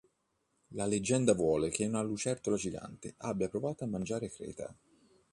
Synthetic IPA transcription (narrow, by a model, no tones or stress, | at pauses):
laled͡ʒːɛnd̪avwɔːlek̟eunalːut͡ʃɛrt̪olad͡ʒiɡa̰nt̪eʔabːjapɾovaːt̪oamːand͡ʒaːɾekɾɛ̰ːt̪a̰